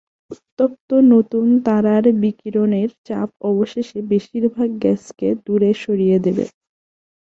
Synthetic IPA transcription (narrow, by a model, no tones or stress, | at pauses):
ut̪ːop̚t̪onot̪unt̪aɾaɾbikiɾoneɾt͡ɕa̰pɔboʃeʃebeʃiɾbʱaɡːɛsked̪uɾeʃoɾijed̪ebḛ